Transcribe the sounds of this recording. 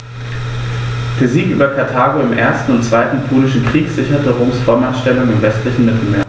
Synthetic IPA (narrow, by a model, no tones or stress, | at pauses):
d̥eɛɐziːkʔyːbɐkʰaɐtʰaːɡoɪmʔeːɐstn̩ʊntt͡sv̥aɪtn̩pʰoːlɪʃn̩kʁ̥iːkz̥ɪçɐtəʁoːmsfʁ̥ɔɐmanʃtɛlʊŋɪmvɛstlɪçn̩mɪtʰl̩meːɐ